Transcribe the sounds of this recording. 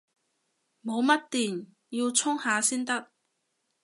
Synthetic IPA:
mo˨˧wmɐ˥t̚t̪iː˨n | ji˧wt͡sʰʊ˥ŋhaː˨˧siː˥nt̪ɐ˥k̚

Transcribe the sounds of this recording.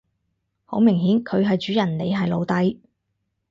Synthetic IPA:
ho˨˥wmɪ˨˩ŋɦiː˨˥nkʰɵ˨˧ɥɦɐ˨jt͡ʃyː˨˥jɐ˨˩nle˨˧jɦɐ˨jlo˨˧wt̪ɐ˨˥j

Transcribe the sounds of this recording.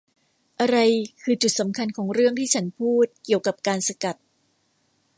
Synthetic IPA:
ʔa˧ɾa˧jkʰɯː˧t͡ɕu˨˩t̪̚sa˩˦mkʰa˧nkʰɔː˩˦ŋɾɯ˥˩əŋt̪ʰiː˥˩t͡ɕʰa˦˥npʰuː˥˩t̪̚ki˨˩əwka˨˩p̚kaː˧nsa˧ka˨˩t̪̚

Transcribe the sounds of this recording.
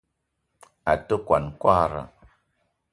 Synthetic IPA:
a˨tə˦kwa˨nkwa˦ɾə̰˨

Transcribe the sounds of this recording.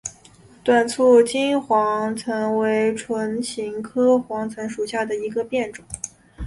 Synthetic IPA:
t̪wa˨˩nt͡sʰu˥˩t͡ɕi˥nxwɑ˧˥ŋt͡sʰɤ˧˥ŋwe˧˥ɪʈ͡ʂʰwə˧˥nt͡ɕʰi˧˥ŋkʰɤ˥xwɑ˧˥ŋt͡sʰɤ˧˥ŋʂu˨˩ɕja˥˩d̪ə˩i˧˥ɡə˧pjɛ˥˩nʈ͡ʂʊ˨˩˦ŋ

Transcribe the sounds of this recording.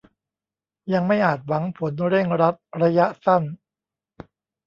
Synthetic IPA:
ja˧ŋma˥˩jʔaː˨˩t̪̚wa˩˦ŋpʰo˩˦nɾe˥˩ŋɾa˦˥t̪̚ɾa˧ja˦˥ʔsa˥˩n

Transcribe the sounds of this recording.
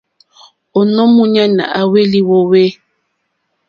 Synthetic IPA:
o˨nɔ˦mu˦ɲa˦na̰˨ʔa˨we˦li˦wo˦we˦

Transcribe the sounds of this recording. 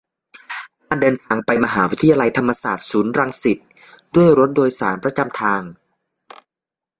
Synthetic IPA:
kaː˧˩ndɤː˧nt̪ʰaː˧ŋpa˧jma˧ɦaː˩˦wi˦˥t̪ʰːjaː˧la˧jt̪ʰa˧mːa˧saː˨˩t̪̚suː˩˦nɾa˧ŋsi˨˩t̪̚ | du˥˩əjɾo˦˥t̪̚doː˧jsa̰ː˩˦npɾa˧t͡ɕa˧mt̪ʰaː˧ŋ

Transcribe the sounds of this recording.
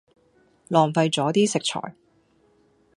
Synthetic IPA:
lɔː˨˩ŋfɐ˧jt͡sɔː˨˥t̪iː˥sɪ˨k̚t͡ʃʰɔ̰ː˨˩j

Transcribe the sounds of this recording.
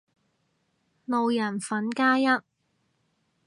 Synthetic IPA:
lo˨wjɐ˨˩nfɐ˨˥nkaː˥jɐ˥t̚

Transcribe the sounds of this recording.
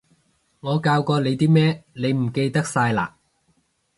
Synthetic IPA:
ŋɔː˨˧kaː˧wkɔː˧le˨˧jt̪iː˥mɛː˥ne˨˧jm̩˨˩ke˧jt̪ɐ˥k̚saː˧jla̰ː˨

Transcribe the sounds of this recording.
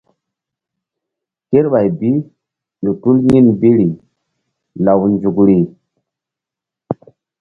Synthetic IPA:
ke˦ɾɓa˨jbi˦ | ɗu˨tu˦lɲi˦nbi˦ɾi˨ | la˨wnd͡ʒu˨kɾi˨

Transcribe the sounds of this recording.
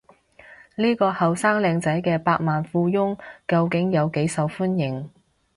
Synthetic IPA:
liː˥kɔː˧hɐ˨wsaː˥ŋlɛː˨˧ŋt͡sɐ˨˥jkɛː˧paː˧k̚maː˨nfuː˧jʊ˥ŋkɐ˧wkɪ˨˥ŋjɐ˨˧wke˨˥jsɐ˨˧wfu˥njɪ˨˩ŋ

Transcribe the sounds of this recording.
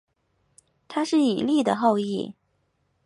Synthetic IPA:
t̪ʰa˥ʂɻ̩˥˩i˨˩li˥˩d̪ə˩xo˥˧ʊi˥˩

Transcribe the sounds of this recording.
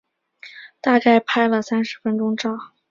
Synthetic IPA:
t̪a˥˧ka˥˩ɪpʰa˥ɪlə˨sa˥nʂɻ̩˧˥fə˥nʈ͡ʂʊ˥ŋʈ͡ʂɑ˥˩ʊ

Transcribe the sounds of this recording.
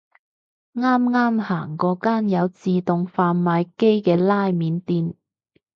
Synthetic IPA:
ŋaː˥mŋaː˥mhaː˨˩ŋkɔː˨˧kaː˥njɐ˨˧wt͡siː˨˧t̪ʊ˨˧ŋfaː˧nmaː˨˧jke˥jkɛː˧laː˥jmiː˨˧nt̪iː˧n

